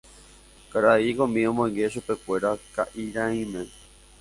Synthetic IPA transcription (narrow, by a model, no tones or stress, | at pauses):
kaɾaikõmĩõmõj̃ɡe̞ʃupe̞kʷe̞ɾakaʔiɾãĩmẽ